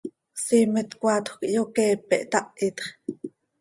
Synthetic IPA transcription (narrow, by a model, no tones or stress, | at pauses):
siːmit̪kʷat̪xʷkʔjokɛːpɛ̰ʔt̪ɑʔit̪χ